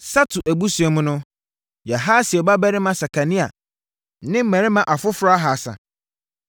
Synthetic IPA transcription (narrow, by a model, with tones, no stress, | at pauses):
sa˦tʰʊ˨ʔæ˨bu˦si˨ɛ˨mʊ̃˦nʊ̃˦ | ja˨ɦaː˦si˨ɛ˨ba˦bæ˦ɾɪ˦mã˨sa˨kʰa˨nĩ˦a̰˨˦ | nɪ̃˦m̩˦mæ̃˨ɾɪ˦mã˨ʔa˨fʊ˦fɾa˦a˦ɦa˨sa̰˨